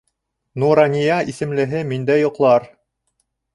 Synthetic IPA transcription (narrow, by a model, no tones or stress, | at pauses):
nuɾɑnʲijɑʔisɘ̆mlɘ̆ɦɘmind̪æjŏqlˠɑɾ